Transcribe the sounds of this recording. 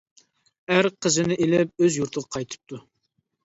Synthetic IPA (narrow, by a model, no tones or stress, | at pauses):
æɾqʰəzɪnɪʔelɪp̚øzjuɾt̪ʰəʁɑqʰɑjt̪ʰɨ̥p̚t̪ʰu